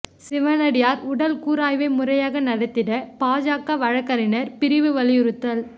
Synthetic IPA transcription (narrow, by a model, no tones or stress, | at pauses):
sɪʋɐnɐɽɪjaːɾʊɽɐlkuːɾaːjʋɐɪmʊrɐjaːɣɐnɐɽɐt̪ːɪɾɐpaːd͡ʒaːkːaʋɐɻɐkːɐɾɪnɐɾpɪɾɪʋɯʋɐlɪjʊɾɯt̪ːɐl